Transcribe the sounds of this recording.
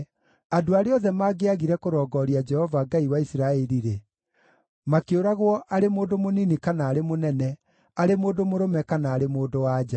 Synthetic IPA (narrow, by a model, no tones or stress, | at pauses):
adoaɾeɔðɛmaːɡeaɣiɾɛkoɾɔːɡɔɾiad͡ʒɛhɔvaɡaiwaisiɾaɛɾiɾe | makeoɾaɣwɔʔaɾemoːndomoninikanaːɾemonɛnɛ | aɾemoːdomoɾomɛkanaːɾemoːdowaːd͡ʒa